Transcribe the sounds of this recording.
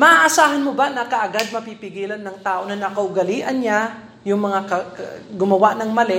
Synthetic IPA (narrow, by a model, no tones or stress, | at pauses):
mɐʔaʔːsaːɦɐnmobanɐkɐʔɐɡad̪̚mɐpipɪɡiːlɐnːɐŋt̪aːʔo̞nɐnɐkɐʔʊɡɐliːʔɐnɲa | jʊŋmɐŋakɐɡʊmɐwaʔnɐŋmɐlɛ